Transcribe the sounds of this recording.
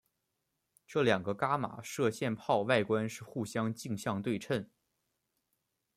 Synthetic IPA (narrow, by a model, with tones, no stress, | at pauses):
ʈ͡ʂɤ˥˩ljɑ˨˩ŋɡə˦ka˥ma̰˨˩ʂɤ˥˧ɕjɛ˥˧npʰɑ˥˧ʊwa˥˩ɪkwa˥nʂɻ̩˥˧xu˥˩ɕjɑ˥ŋt͡ɕi˥˧ŋɕjɑ˥˧ŋt̪̬we˥˧ɪʈ͡ʂʰə˥˩n